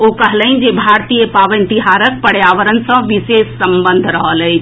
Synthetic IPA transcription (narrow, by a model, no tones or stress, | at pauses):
okəɦləind͡ʒebʱaɾt̪ijəpaʋənt̪iɦaɾək̚pəɽ̤jaʋəɾənsə̃ʋisesːəmbənd̪ʱɾəɦələjt͡ʃʰ